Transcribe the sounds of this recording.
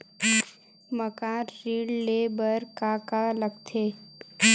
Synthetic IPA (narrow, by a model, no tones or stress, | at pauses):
məkaːɾɾiːɽleːbəɾkaːkaləɡt̪ʰeː